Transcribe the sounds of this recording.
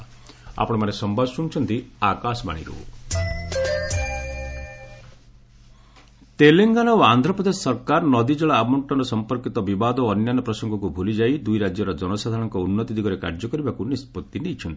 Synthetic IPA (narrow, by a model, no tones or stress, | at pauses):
a̰pɔɽ̃emanesɔmbabsuñt͡ʃʰɔnt̪iakasɔma̰ɽ̃ḭɾṵ | t̪eleŋɡanɔoand̪ʱɾɔpɔd̪essɔɾkaɾɔnɔd̪id͡ʒeɭaːmɔɳʈɔnɾɔsɔmpɔɾkit̪ɔbibad̪ɔːnjanɔpɾɔsɔŋɡɔkubʱulid͡ʒajd̪ujɾad͡ʒjɔɾɔd͡ʒɔnɔsad̪ʱaɽ̃ɔŋkɔunːɔt̪id̪ʱiɡɔɾeka̰ɾd͡ʒɔkɔɾibakunispɔt̪ːinejt͡ʃʰɔnt̪i̥